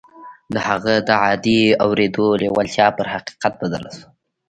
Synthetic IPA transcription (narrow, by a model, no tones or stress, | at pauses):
d̪əhaɣad̪əʕɑd̪iawɾed̪olewalt̪jɑpəɾhaqi̥qat̪̚bad̪ə̰lasu̥